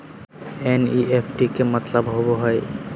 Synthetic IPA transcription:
eniʔepʰʈikemat̪labɦoboɦɔe

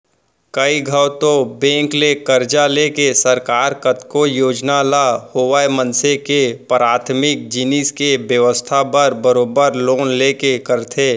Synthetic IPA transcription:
kəiɡʱəwt̪obẽːŋklekəɾd͡ʒalekesəɾkaːɾkət̪kojoːd͡ʒnalahoːʋaːjmənsekepɾaːt̪ʰmɪk̚d͡ʒɪniskebjəʋəst̪ʰapəɾbəɾoːbəɾloːnleːkekəɾt̪ʰeː

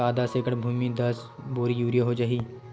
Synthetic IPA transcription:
aːd̪asekəʈbʱuːmid̪ɐs | boːɾijuːɾijaɦod͡ʒaːɦi

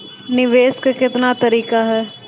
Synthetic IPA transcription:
nɪʋeːskakɪt̪nat̪ɐɾiːkaɦɛː

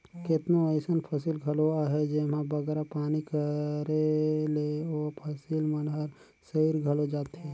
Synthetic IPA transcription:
kɪt̪noəɪsənpʰəsilɡʱəloaɦɛd͡ʒemãbəɡɾapaːnikəɾeleopʰəsilmənɦəɾ | səiɾɡʱəlod͡ʒaːt̪ɦeː

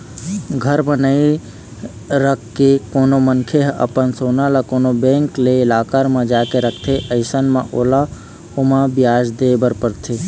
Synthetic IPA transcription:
ɡʱəɾmə̃nəi | ɾəkʰːekoːnomənkʰeɦə̰pənsoːnalakoːnobẽːŋkleɪlaːkəɾmẽd͡ʒakeɾəkʰt̪ʰeʔəɪsənmẽʔoːla | omãbjaːd͡ʒd̪ebəɾpəɾt̪ʰe

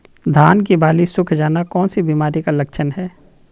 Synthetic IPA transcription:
d̪ʱaːnk̬ibaːlisʊkʰd͡ʒaːnakɔːnsibiːmaːɾikalɐkʃʰənɦɛː

